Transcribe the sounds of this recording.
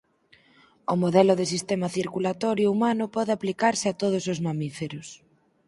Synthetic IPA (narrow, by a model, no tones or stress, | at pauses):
ʊmoðɛlʊðɪs̬ist̪emɐθiɾkulat̪ɔɾjoumanʊpɔðɪaplikaɾsɪat̪oð̞ʊsʊzmamifeɾʊs